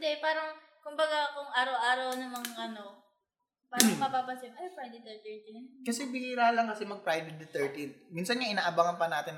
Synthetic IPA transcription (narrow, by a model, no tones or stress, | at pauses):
nd̪ɛpaːɾɐŋ | kʊmbɐɡakʊŋaːɾɐwʔaːɾɐwnɐŋmɐŋaʔɐno | paːɾɐŋmɐpaːpɐsɪbɐlɐpɾajd̪ɪt̪ːɛɹt̪ɛɹt̪ɪnkɐsɛbiɾaːlɐŋkɐsɛmɐɡ̚pɾajd̪ɪd̪ɪt̪ɛɹt̪ɪnminsɐnɲaʔɪnaːʔɐbaŋɐnpɐnaːt̪ɪn